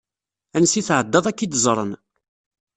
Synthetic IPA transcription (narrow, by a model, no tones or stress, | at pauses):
ænsiθʕəd̪ːɑðˤækːid̪zˤɾˤən